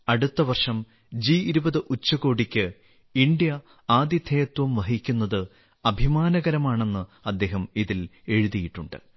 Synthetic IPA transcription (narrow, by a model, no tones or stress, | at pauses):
ɐɽut̪ːɐʋɐrʂɐm | d͡ʑiiɾubɐðɨʔut͡ɕːɐɣo̞ːɽikʲːɨ | iɳɖjɐ | aːd̪jɐd̪ʱʰejɐt̪wɐmʋɐɦikʲːunːɐðɨ | ɐbʱimaːnɐɣɐɾɐmaːɳe̞nːɨɐd̪ːe̞ːɦɐmiðile̞ɻuðijiʈːuɳɖɨ̰